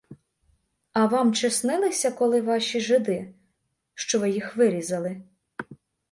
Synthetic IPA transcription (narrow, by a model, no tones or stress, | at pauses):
ɐʋɑmt͡ʃɪsnɪlˠɪsʲɐkɔlˠɪʋɑʃʲiʒɪd̪ɪ | ʃt͡ʃɔʋɪjixʋɪɾʲizɐlˠɪ